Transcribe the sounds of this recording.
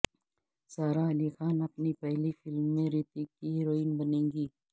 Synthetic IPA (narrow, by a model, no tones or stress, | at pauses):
saːɾaɐlixaːnɐpnipɛɦlifɪlmːẽɾɪt̪ikiɦɪɾoːiːnbɐnẽːŋɡiː